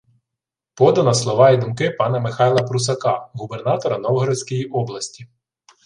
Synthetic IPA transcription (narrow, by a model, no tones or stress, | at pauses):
pɔd̪ɐnɐslˠɔʋɑid̪umkɪpɑnɐmɪxɑjlˠɐpɾʊs̬ɐkɑɦubernɑt̪ɔɾɐnɔwɦɔɾɪsʲkɔjiʔɔblˠɐsʲtʲi